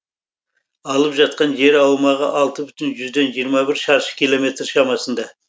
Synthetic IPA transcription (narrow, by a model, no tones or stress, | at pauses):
ɑlˠəpʒɑt̪̚qɑnʒe̞ɾɑwmɑʁə̰ʔɑlˠt̪əbʏt̪ɪnʒʏzd̪e̞nʒijəɾmɑbɪɾʃɑɾʃə̥kʲʰijlˠo̞me̞t̪ɾʃɑmɑsənd̪ɑ